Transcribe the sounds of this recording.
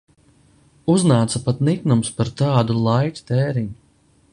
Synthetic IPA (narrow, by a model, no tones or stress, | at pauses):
uznaːt̪sapat̪nik̪numspaɾt̪ɑːd̪ulˠajt̪ʲt̪ɛːɾiɲ